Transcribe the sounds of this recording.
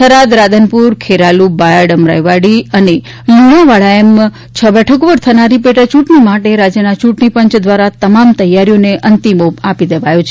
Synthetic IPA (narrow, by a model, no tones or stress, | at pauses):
tʰəɾad̪ɾad̪ʱənpuɾkʰeɾalubajəɖəmɾa̰jʋaɽiəne | lunoʋaɭaem | t͡ʃʰəbɛʈʰəkoʋəɾt̪ʰənaɾipeʈat͡ʃũʈɳimaʈeɾad͡ʒjənat͡ʃuʈɳipəɲt͡ʃd̪ʋaɾat̪əmamt̪əjːaɾijoneʔənt̪imopapid̪eʋajõt͡ʃʰe